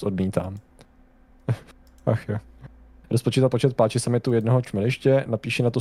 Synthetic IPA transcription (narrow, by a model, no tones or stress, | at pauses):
sʔodmiːt̪aːm | axjo | ɾʔospot͡ʃiːt̪apot͡ʃɛt̪̚paːt͡ʃɪsamɪt̪ujɛdnoɦot͡ʃmɛlɪʃcɛnapiːʃɛnat̪o